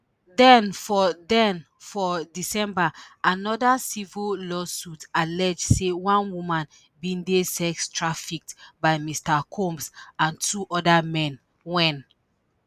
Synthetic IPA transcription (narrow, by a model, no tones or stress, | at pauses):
dɛ̃nfɔdɛ̃n | fɔdisɛ̃mbaanɔdasivəlɔsutalɛd͡ʒdsewãnwumãn | bĩndesɛkstʰɹafik̚tbaɪmistakʰɔ̃mpsãntʰuʔɔdamɛ̃n | wɛ̃n